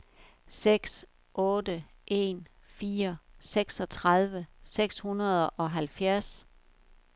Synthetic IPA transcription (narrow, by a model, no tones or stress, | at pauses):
seɡ̥s | ʔɔ̽ːdə | ʔe̝̰ːn | fiːɐseɡ̥sɒ̽t͡sʰʁað̞ˠʋəseɡ̥shunɐð̞ˠʔɒ̽ɦælfjæɐs